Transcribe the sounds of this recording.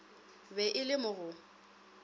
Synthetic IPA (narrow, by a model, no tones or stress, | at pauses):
bɛʔɪlɪmʊɣʊ